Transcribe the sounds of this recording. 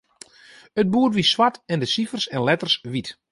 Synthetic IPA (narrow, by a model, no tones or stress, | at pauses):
əd̚buːərʋiswatɛndəsifərsɛnlɛtərsʋit